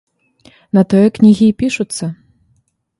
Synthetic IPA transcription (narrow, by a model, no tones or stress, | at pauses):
nɐt̪ɔjɛknʲiɣʲipʲiʂut̪sːɐ